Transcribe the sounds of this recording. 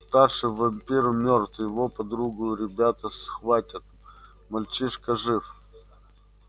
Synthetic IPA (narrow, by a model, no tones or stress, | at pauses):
st̪arʂɨjvɐmʲpʲiɾmʲort̪jɪvopɐd̪ɾuɡʊjʊɾʲɪbʲat̪əsxvatʲɪt̪̚ | mɐlʲt͡ɕiʂkəʐɨf